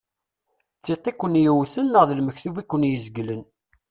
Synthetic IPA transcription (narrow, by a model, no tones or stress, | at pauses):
t͡sːiq̪ːekʷːənjəwθənːəʁðəlməçθuvikʷːənjəzɡlən